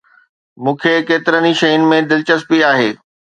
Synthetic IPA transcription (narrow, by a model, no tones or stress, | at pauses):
mũːkʰekeːt̪ɪɾəniʃɐɦiːnmẽd̪ɪlt͡ɕəspiaːɦeː